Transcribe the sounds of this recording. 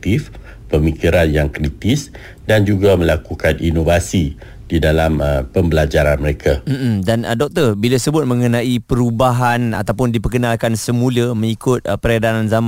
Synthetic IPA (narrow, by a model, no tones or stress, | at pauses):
t̪if | pəmikiɾanjaŋkɾit̪is | dand͡ʒuɡamə̃lakukaninovasi | didalaməpəmbəlad͡ʒaɾanməɾekʰam̩ʔm̩danədɔk̚t̪əbilasəbʊt̪̚mə̃ŋənãipəɾubaɦana̰t̪awpʊndipərkənalkansəmũləmə̃ŋikʊt̪̚pəɾadananzam